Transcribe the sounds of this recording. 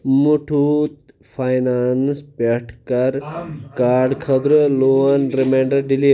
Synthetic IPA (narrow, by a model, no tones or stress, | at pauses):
muʈʰut̪ | fajnaːnspeʈʰkɐɾkaːɾɖkʰɐd̪ɾɨloɐnɾemeɳɖɐɖili